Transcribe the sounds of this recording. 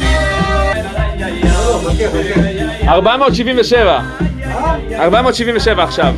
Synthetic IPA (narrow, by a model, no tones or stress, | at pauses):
aʁbamo̞ːt̪ʃivimveʃeva | aʁbamo̞tʃiviɱveʃe̞vaːχʃav